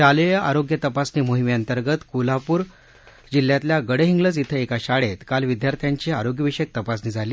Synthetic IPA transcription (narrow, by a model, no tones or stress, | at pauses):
alejaʔaɾoɡjət̪əpasnimoɦimeənt̪əɾɡət̪kulapuːɾ | d͡ʑilːjat̪ljaɡəɽeɦiŋɡləd͡zit̪ʰəekaɕaɽet̪kalʋid̪jaɾt̪ʰjaɲt͡ɕiaɾoɡjəʋiɕek̚t̪əpasnid͡zʱaliː